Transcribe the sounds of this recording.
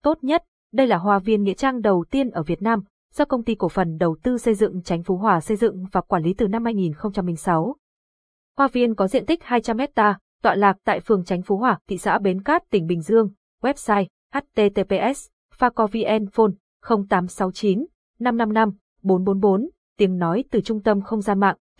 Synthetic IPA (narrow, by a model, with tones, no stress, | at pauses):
t̪o˦˥t̚ɲə˦˥t̚ | ɗə˧jlaː˨˩ɦwaː˧˩vi˧ənŋḭ˧˥ət͡ɕaː˧ŋɗə˨˩wt̪i˧ənʔəː˧˩vi˨˩ət̚naː˧m | z̥ɔ˧kə˧wŋ͡mt̪i˧ku˧˩əfə˨˩nɗə˨˩wt̪ɨ˧sə˧jzɨ̰˧˨ŋt͡ɕa˨˦jŋ̟fu˨˦ɦwaː˨˩sə˧jzɨ̰˧˨ŋvaː˨˩kwaː˧˩nli˨˦t̪ɨ˨˩na˧mhaː˧jŋi˨˩nxə˧wŋ͡mt͡ɕa˧mːï˧˩ŋ̟sa˨˦w | hwaː˧vi˧ənkɔ˨˦zḭ˧˨ənt̪ï˦˥k̟̚haː˧jt͡ɕa˧mːɛ˦˥t̚t̪aː˧ | t̪wa̰ː˧˨laː˨˩k̚t̪a̰ː˧˨jfɨ˨˩əŋt͡ɕa˨˦ŋ̟fu˨˦ɦwaː˧˩t̪ʰḭ˧˨sa̰ː˧˥ɓe˨˦nkaː˦˥t̚t̪ï˨˩ŋ̟ɓï˨˩ŋ̟zɨ˧əŋ | wɛ˦˥p̚saː˧j | ʔa˦˥t̚t̪e˧t̪e˧pe˧ʔɛ˦˥s | faː˧kɔ˧vi˧ʔɛ˧nfo˧n | xə˧wŋ͡mt̪aː˨˦msa˨˦wt͡ɕi˨˦nː | a˧mna˧mna˧m | ɓo˨˦nɓo˨˦nɓo˨˦n | t̪i˨˦əŋnɔ˨˦jt̪ɨ˨˩t͡ɕʊ˧ŋ͡mt̪ə˧mxə˧wŋ͡mzaː˧nma̰ː˧˨ŋ